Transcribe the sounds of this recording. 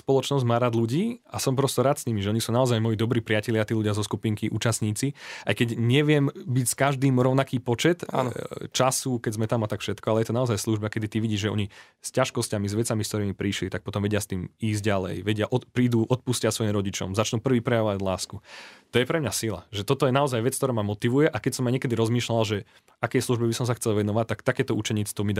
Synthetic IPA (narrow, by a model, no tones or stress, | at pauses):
spɔlˠɔt͡ʃnɔzɟmaːɾaːd̪luɟiːasɔmpɾɔst̪ɔɾaːt̪sɲimiʒɛɔɲisuːnaɔzajmɔjid̪ɔbɾiːpɾɪacɛlɪat̪iːluɟɪazɔskupiːŋkiʔṵːt͡ʃast̪ɲiːt͡siʔajkɛɟɲɛʋɪɛmbicskaʒd̪iːmɾɔʊnakiːpɔt͡ʃɛt̪nt͡ʃasukɛɟzmɛt̪amat̪akfʃɛt̪kɔalɛjɛt̪ɔnaɔzajsluʒbakɛd̪it̪iʋiɟiːʒʒɛɔ̰ɲi | scaʃkɔscamizʋɛt͡samiskt̪ɔɾiːmipɾiʃlit̪ak̚pɔt̪ɔmʋɛɟɪast̪iːmiːzɟɟalɛ̰jʋɛɟɪaʔɔpɾiːd̪uːʔɔt̪̚puscasʋɔjimɾɔɟit͡ʃɔ̰mzat͡ʃnuːpr̩ʋiːpɾɛjaʋɔʋaɟlaːskut̪ɔjɛpɾɛmɲasila̰ʒɛt̪ɔt̪ɔjɛnaɔzajʋɛt͡skt̪ɔɾaːmamɔt̪iʋujɛʔakɛcsɔmːaɲɪɛkɛd̪iɾɔzmiːʃlalʒɛ | akɛjsluʒbɛbisɔms̬axt͡sɛlˠʋɛnɔʋac̚t̪ːakt̪akɛːt̪ɔut͡ʃɛɲiːt͡sɛ̥t̪ɔmid̪